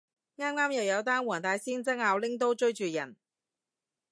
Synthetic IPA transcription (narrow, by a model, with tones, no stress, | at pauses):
ŋaː˥mŋaː˥mjɐ˨wjɐ˨˧wt̪aː˥nwɔː˨˩ŋt̪aː˨˧jsiː˥nt͡sɐ˥ŋaː˨˧wlɪ˥ŋt̪̬o˥wt͡ʃɵ˥ɥt͡ʃyː˨jɐ̰˨˩n